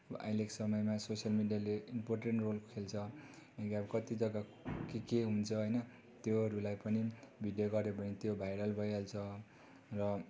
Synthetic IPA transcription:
ʌ̰ʔa̰jleksʌmʌjmasosʌlmiɖijaleimporʈeɳʈrolkʰelt͡sʰʌ | ekiabʌkʌt̪id͡zʌɡakikeɦunt͡sʰʌɦʌjnʌ | t̪joɦʌɾulajpʌnibʱiɖjoɡʌɾepʌnit̪jobʱajɽʌlbʱʌjalt͡sʰʌ | rʌ

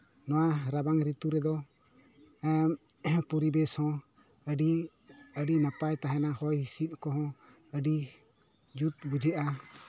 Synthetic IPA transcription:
nɔwaɾabaŋɾit̪uɾɛd̪ɔ | ɛm | pɔɾibɛshɔ̃ | əɖi | əɖinapajt̪aɦɛnaɦɔjhisit̪̚ˀkɔɦɔ̃ | əɖi | d͡ʒut̪̚bud͡ʒʱɛʔa

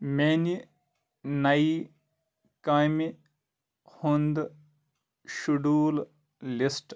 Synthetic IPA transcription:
meni | nɐi | kaːmi | hund̪ | ʃuɖuːl | lisʈ

